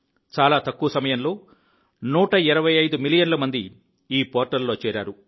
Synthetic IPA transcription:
t͡ʃaːlaːt̪ɐkːuʋɐsɐmɐjɐnlo̞ː | nuːʈɐiɾɐʋɐjɐjd̪umilijɐnlɐmɐnd̪i | iːpoːɾʈɐlːoːt͡ʃɛːɾaːɾu

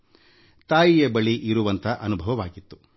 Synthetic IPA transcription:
t̪aːjijɐbɐɭiʔiɾuʋɐnt̪ʰɐʔɐnubʱɐʋɐʋaːɡit̪ːu̥

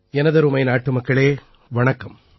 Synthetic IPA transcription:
ɛnɐðɐɾumɐɪnaːʈːɯmɐkːɐɭeː | ʋɐɳɐkːɐm

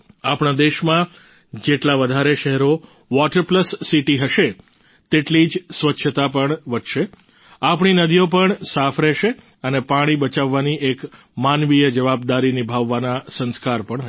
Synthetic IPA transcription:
apɳ̃ad̪eʃmã | d͡ʒeʈlaʋəd̪ʱaɾeʃɛɦɛɾo | ʋɔʈəɾpləsːiʈiɦəʃe | t̪eʈlid͡ʒsʋətːʃʰət̪apəɳʋədʃe | apɳ̃inəd̪ʱijopəɳsafɾɛʃe | ənepaɽ̃ibət͡ʃaʋːaniʔek | manʋijəd͡ʒəʋab̚d̪aɾinibʱaʋːanasə̃nskaɾpəɳɦə

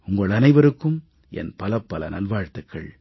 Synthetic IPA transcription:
ʊŋɡɐɭɐnɐɪʋɐɾɯkːɯm | ɛ̰npɐlɐpːɐlɐ̰na̰ːlʋaːɻt̪ɐkːɐ̰ɭ

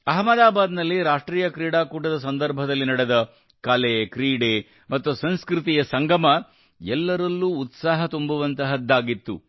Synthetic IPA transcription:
ɐɦɐmɐd̪aːbaːd̪nɐlːiɾaːʂʈɾiːjɐkɾiːɽaːkuːʈɐd̪ɐs̬ɐnd̪ɐɾbʱɐd̪ɐlːinɐɽed̪ɐ | kɐlekɾiːɽeː | mɐt̪ːusɐnskɾut̪̬ijɐsɐŋɡɐmɐ | ɛlːɐɾɐlːuːt̪saːɦɐt̪umbuʋɐnt̪ɐɦɐd̪ːaːɡit̪ːṵ

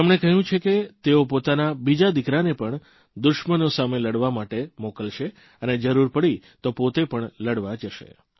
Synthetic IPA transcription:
emɳekəɦjũt͡ʃʰeket̪eopot̪anabid͡ʒad̪ikɾanepəɳ | d̪ʊʃmənosameləɽʋamaʈemokəlʃe | əned͡ʒəɾuɾpəɽi | t̪opot̪epəɳləɽʋad͡ʒəʃḛ

